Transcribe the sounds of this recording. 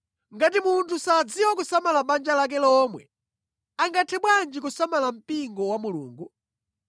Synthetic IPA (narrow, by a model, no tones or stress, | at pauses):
ŋɡat̬imuntʰusad͡ziwɔkusamalaɓand͡ʒalak̬ɛlɔːmwɛ̰ | aŋɡatʰɛɓwand͡ʒikusamalam̩piŋɡɔwamulṵːŋɡu